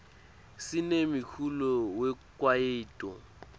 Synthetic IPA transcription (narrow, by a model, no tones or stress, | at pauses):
sɪnemikʰulɔwɛkʼwaeːtʼɔ̰